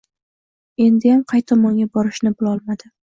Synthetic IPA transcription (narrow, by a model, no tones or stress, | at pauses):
e̞nd̪ɪjamqʰɑjt̪ʰɒmɒŋɡʲabɒɾɪʃnɪbɪlˠɒlˠmad̪̥ɪ